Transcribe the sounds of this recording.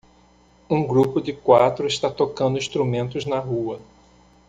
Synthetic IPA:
ũɡɾupʊd͡ʒɪkwat̪ɾʊɪst̪at̪okɐ̃nd̪ʊĩst̪ɾumẽnt̪ʊznɐɦuɐ

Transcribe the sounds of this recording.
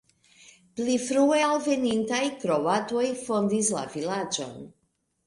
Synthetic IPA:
plifɾuealvenint̪ajkɾo̞wat̪ojfo̞nd̪isla̰vilad͡ʒo̞̰n

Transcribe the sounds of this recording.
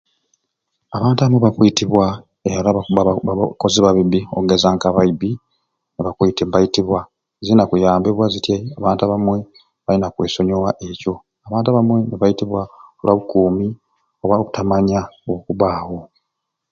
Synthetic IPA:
aβaːntaβamweβakwitiβwa | eɾa | koziβaβiβioɡezaŋkaβaibi | neβakwiːtimbajitiβwa | zinakujaːmbeβwazitjeaβaːntaβamwe̞ | βainakwe̞ːso̞ɲowaʔe̞co̞ | aβaːntuaβamwe̞neβajitiβwalwaβukuːmi | oβaku̥tamaɲaoβukuβaːho̞

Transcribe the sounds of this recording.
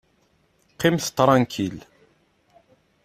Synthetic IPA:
qːɪmθt̪ːɾˤɑnkʰil

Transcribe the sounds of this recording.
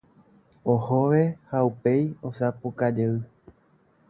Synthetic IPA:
ohoʋe̞haupe̞jo̞sapukad͡ʒeɨ

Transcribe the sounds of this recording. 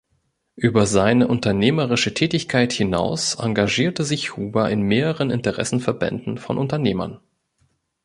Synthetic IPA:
ʔyːbɐzaɪnəʔʊntɐneːməʁɪʃətʰɛːtɪçkʰaɪthɪna̰ʊsʔa̰ŋɡaʒiːɐtəzɪçhuːbaʔɪnmeːʁəʁənɪntəʁɛ̰sn̩fɛɐbɛ̰ndn̩fɔ̰nʔʊntɐneːmɐ̰n

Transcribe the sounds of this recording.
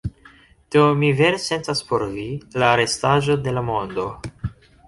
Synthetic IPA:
d̪̥omive̞ɾese̞ntaspo̞ɾvilaːɾe̞staʒo̞de̞lamo̞nd̪o̞

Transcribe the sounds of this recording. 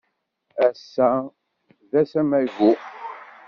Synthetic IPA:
æsːæ | ðæsæmæʝu

